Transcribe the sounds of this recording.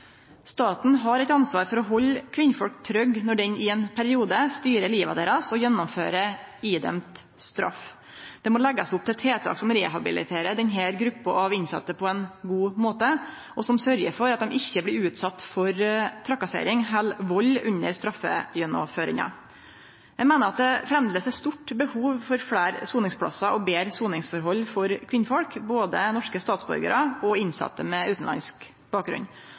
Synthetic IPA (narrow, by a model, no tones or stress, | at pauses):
st̪ɑːt̪n̩ɦɑɾɛɪt̪ɑnsʋɑːɾfɔɾɔɦɔlːkʰʋɪnfɔlk̚t̪ʰɾœɡnɔɖɛnɪɛnpʰæɾɪuːd̪əst̪yːɾəliːʋɑd̪eːɾɑsɔjɛnːɔmfø̰ːɾəiːd̪ɛ̰mt̪ | st̪ɾɑ̰f | d̪̥ɛmoːlɛɡːɑsʊp̚t̪ʰɪlt̪ʰɾeːt̪ʰɑ̰ːksɔmɾeːɦɑbɪ̰lɪ̰t̪ʰeːɾəd̪ɛnɦæːɾɡɾʉpːəɑʋɪnsɑ̰t̪ːəpʰɔɛnɡuːmoːt̪ə | ʔɔsɔmsœɾjəɾfɔɾɑt̪̚d̪ɛmɪçːəbliːʉːt̪sɑt̪ːfɔɾt̪ʰɾɑkːɑsḛɪɾɪŋɦɛlʋɔlːʉɲːəɾst̪ɾɑfːə̰jɛnɔ̰føːɾɪ̰ŋɑ̰ | jæɪmeːnəɾɑt̪̚d̪ɛfɾɛmd̪ləsæst̪ʊʈːbəhuːʋfɔɾfɽæːɾsuːnɪŋspʰlɑ̰sɑʔɔbeːɾsuːnɪŋsfɔɾɦɔlːfɔɾkʰʋɪnːəfɔɽkboːd̪ənɔʂkəst̪ɑːt̪sbɔ̰ɾɡə̰ɾəɔɪnsɑ̰t̪ːəmɛʉːt̪n̩lɑ̰nsk | b̥ɑːk̚ɡɾʉ̰n